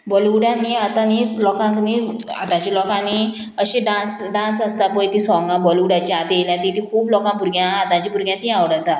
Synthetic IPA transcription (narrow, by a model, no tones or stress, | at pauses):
bəluɽãniat̪ãniːt͡slɔkãknia̰t̪ãt͡ɕilɔkãni | əɕẽɖãnsɖãnsəst̪apɔjt̪ĩsɔ̃ŋɡãbəluɽãt͡ɕiat̪jeljãt̪it̪ĩkʰuːplɔkãbuɾɡjãːt̪ãt͡ɕĩbuɾɡjãt̪ĩãʋɽət̪a